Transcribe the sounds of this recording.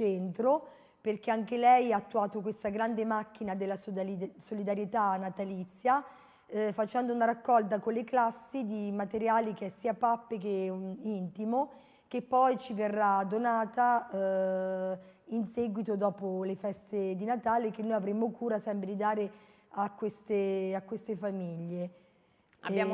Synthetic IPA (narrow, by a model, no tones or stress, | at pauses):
t͡ʃɛnt̪ɾo | perk̟eaŋk̟elɛjaːt̪ːuaːt̪okwest̪aɡɾand̪emak̟ːinad̪elːasolid̪aɾjet̪aːnːat̪alit̪sːja | fat͡ʃɛnd̪ounaɾakːɔlt̪̬akolːeklasːid̪imat̪eɾjaːlik̟eɛsiːapapːekeint̪imo | kepːɔjt͡ʃiverːad̪onaːt̪a | inseɡwit̪od̪ɔːpolefɛst̪ed̪inat̪aːlek̟enːojavɾemːokuːɾasɛmpɾed̪id̪aːɾe | akːwest̪eakːwest̪efamiʎːe | aa